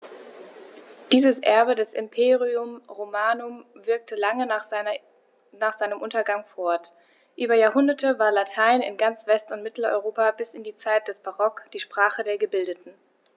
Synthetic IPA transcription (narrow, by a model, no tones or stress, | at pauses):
d̥iːzəsʔɛ̰ɐbədɛsɪ̰mpʰeːʁiʊmʁomaːnʊmvɪɐk̚tʰəlaŋən | naːχz̥aɪnəmʔʊntɐɡaŋfɔɐt | ʔyːbɐjaːɐhʊndɐtʰəvaːɐlatʰaɪnɪ̰nɡant͡sv̥ɛstʊntmɪtl̩ɔ̰ʏʁoːpabɪsɪndiːt͡saɪt̚d̥ɛsb̥aʁɔkd̥iːʃpʁ̥aːχədeːɐɡəbɪldətn̩